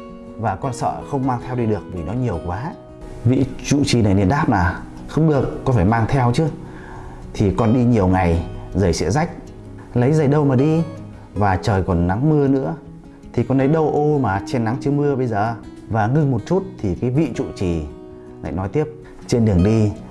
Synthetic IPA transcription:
vaː˨˩kɔ˧nsə̰ː˧˨xə˧wŋ͡mmaː˧ŋt̪ʰɛ˧wɗi˧ɗɨ˨˩ək̚vi˨˩nɔ˨˦ɲi˨˩əwkwaː˨˦ | vḭ˧˨t͡ɕṵ˧˨t͡ɕi˨˩na˨˩jni˨˩nɗaː˦˥p̚naː˨˩ | xə˧wŋ͡mɗɨ˨˩əkːɔ˨˦fʰaː˧˩maː˧ŋt̪ʰɛ˧wt͡ɕɨ˧˦ | t̪ʰi˨˩kɔ˨˩nɗi˧ɲi˨˩əwŋa˨˩jzəː˧˩jsɛ̰˧˥za˦˥jk̟̚ | lə˨˦jzə˨˩jɗə˧wmaː˨˩ɗi˧ | vaː˨˩t͡ɕəː˨˩jkɔ˨˩nna˨˦ŋmɨ˧ənɨ̰˧˥ə | t̪ʰi˨˩kɔ˨˩nlə˨˦jɗə˧wʔo˧maː˨˩t͡ɕe˧nːa˨˦ŋt͡ɕɨ˧əmɨ˧əɓə˧jzəː˨˩ | vaː˨˩ŋɨ˧ŋmo˨˩t̚t͡ɕu˦˥t̚t̪ʰi˨˩kaː˨˦jvḭ˧˨t͡ɕṵ˧˨t͡ɕi˨˩ | la̰ː˧˨jnɔ˨˦jt̪i˦˥əp̚ | t͡ɕe˧nɗɨ˨˩əŋɗi˧

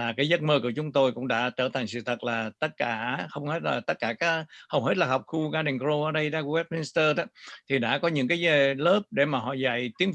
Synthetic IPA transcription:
aː˨˩kaː˨˦jzə˦˥t̚məː˧ku˧˩ət͡ɕʊ˨˦ŋ͡mt̪o˧jkʊ̰˧˥ŋ͡mɗa̰ː˧˥t͡ɕəː˧˩t̪ʰa˨˩ŋ̟sɨ̰˧˨t̪ʰə˨˩t̚laː˨˩t̪ə˦˥t̚kaː˧˩xə˧wŋ͡mhe˦˥t̚laː˨˩t̪ə˦˥t̚kaː˧˩kaː˦˥hə˧wɦe˦˥t̚laː˨˩ɦwk͡p̚xu˧ɣaː˧ɗi˨˩ŋkɾo˧ʔəː˧˩ɗə˧jɗaː˧kwɛ˦˥t̚mi˧nst̪əː˧ɗaː˨˦t̪ʰi˨˩ɗa̰ː˧˥kɔ˨˦ɲɨ̰˧˥ŋk̬aː˨˦jzə˧˩ləː˦˥p̚ɗe˧˩maː˨˩ɦɔ̰˧˨za̰˧˨jt̪i˨˦əŋ

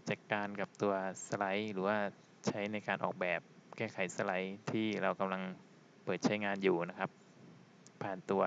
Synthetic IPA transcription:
t͡ɕa˨˩t̪̚kaː˧nka˨˩p̚t̪u˧ɐsa˧la˦˥jɾɯː˩˦waː˥˩ | t͡ɕʰa˦˥jna˧jkaː˧nʔɔ̰ː˨˩k̚bɛː˨˩p̚kɛː˥˩kʰa˨˩˦jsa˧la˦˥jt̪ʰiː˥˩ɾa˧wka˧mla˧ŋ | pɤː˨˩t̪̚t͡ɕʰa˦˥jŋaː˧njuː˨˩na˦˥kʰa˦˥p̚ | pʰːaː˨˩nt̪u˧ɐ

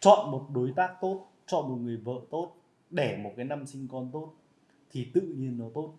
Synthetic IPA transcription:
t͡ɕɔ̰˧˨nmo˨˩t̚ɗo˨˦jt̪aː˦˥k̚t̪o˦˥t̚ | t͡ɕɔ̰˧˨nmo˨˩t̚ŋɨ˨˩əjvə̰ː˧˨t̪o˦˥t̚ | ɗe˧˩mo˨˩t̚kaː˨˦jna˧msï˧ŋ̟kɔ˧nt̪o˦˥t̚ | t̪ʰi˨˩t̪ɨ̰˧˨ɲi˧ənːɔ˨˦t̪o˦˥t̚

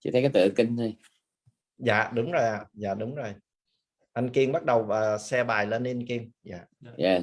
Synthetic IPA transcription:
t͡ɕɨ˧˥˩t̪ʰkaː˨˦jt̪ɨ̰˧˨kï˧ŋzə˧j | za̰ː˧˨ɗʊ˨˦ŋ͡mzo˨˩jʔaː˨˩zaː˧˨ɗʊ˨˦ŋ͡mzo˨˩j | ʔa˧nki˧əmɓa˦˥t̚ɗə˨˩wəː˨˩sɛ˧ɓaː˨˩jlə˧ni˧nki˧əmza̰ː˧˨jaː˨˩

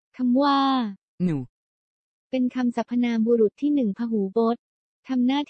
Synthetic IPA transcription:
kʰa˧mwaː˥˩ | nuː˩˦ | pe˧nkʰa˧msa˨˩pʰːa˧naː˧mbuː˧ɾu˨˩t̪ʰːiː˥˩nɯ˨˩ŋpʰaː˧ɦuː˩˦bo˦˥t̪̚ | t̪ʰːa˧mnaː˥˩t̪ʰ

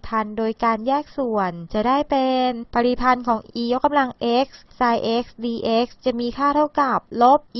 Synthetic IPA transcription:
pʰa˧ndoː˧jkaː˧njɛː˥˩k̚su˨˩ənt͡ɕa˨˩daː˥˩jpe˧npa˧ɾi˨˩pʰa˧nkʰɔː˩˦ŋʔiː˧jo˦˥kːa˧mla˧ŋʔe˦˥k̚sːaː˧jʔe˦˥k̚sdiː˧ʔe˦˥k̚st͡ɕa˨˩miː˧kʰaː˥˩t̪ʰa˥˩wka˨˩p̚lo˦˥p̚ʔ

